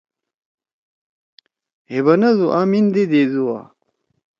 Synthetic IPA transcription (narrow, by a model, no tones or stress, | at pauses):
heβɐnɐzuʔaːmind̪ed̪ezuwa̰